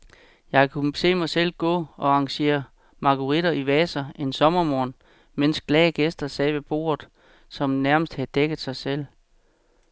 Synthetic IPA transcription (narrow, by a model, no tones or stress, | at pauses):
jɑ̈ɪkʰuse̝̰ːmɑ̈ɪsel̰ɡ̥ɔ̰̽ːɒ̽ɑ̈ŋɕe̝̰ːɐ | mɑ̈kʰuʁidɐiʋɛːsɐe̝nsɒ̽mɐmɒ̰ːn | men̰sɡ̥lɛːɡ̥esd̥ɐsɛːʋe̝b̥o̝̰ːɐð̩ˠ | sɒ̽mnæɐməsd̥hæðˠd̥eɡ̥ð̩ˠsɑ̈ɪsel̰